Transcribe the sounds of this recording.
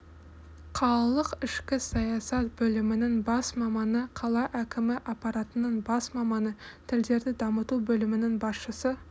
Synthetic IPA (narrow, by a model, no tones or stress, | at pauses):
qʰɑlˠlˠəqɪʃkʲɪsɑjɑsɑt̪̚bɵlɪmɪnɪŋbɑsmɑmɑnəqʰɑlˠɑʔækʲɪmɪʔɑpɑɾɑt̪ənəɴbɑsmɑmɑnət̪ʰɪld̪e̞ɾd̪ɪd̪ɑmət̪ubɵlɪmɪnɪŋbɑsʃəsə